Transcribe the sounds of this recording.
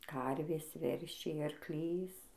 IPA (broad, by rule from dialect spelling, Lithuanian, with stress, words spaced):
ˈkɐrʲʋʲeːs ˈʋʲɛrʲʃʲɛɪ ɐrkˈlʲiːs